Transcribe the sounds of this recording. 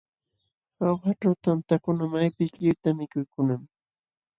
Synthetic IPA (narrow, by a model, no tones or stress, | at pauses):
awxaʈ͡ʂawt̪ant̪akʊnamajpɪsʎʊjt̪amɪkʊjkʊnam